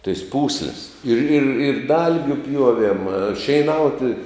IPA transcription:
tɐɪs ˈpuːsʲlʲɪs ɪr ɪr ɪr ˈdɐlʲɡʲʊ ˈpʲjuɔʋʲiɛm ʃʲɛɪˈnɐʊtʲɪ

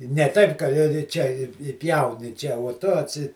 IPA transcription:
nʲɛ ˈtɐɪp kɐ ɪ ˈt͡ʃʲɛ ɪ ɪ ˈpʲjɛʊnʲɪ ˈt͡ʃʲɛ uɔ tʊ ɐtʲˈsʲɪ

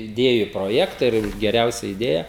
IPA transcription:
ɪˈdʲeːjʊ proːˈjæːktɐ ɪr ɡʲɛˈrʲɛʊsʲɛ ɪˈdʲeːjɛ

